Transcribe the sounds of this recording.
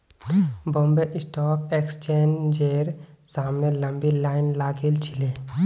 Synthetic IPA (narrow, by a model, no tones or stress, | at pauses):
bɔmbeʔisʈɔːkekst͡ʃend͡ʒeɾsaːmneləmbilaːɪnlaːɡelt͡ʃʰile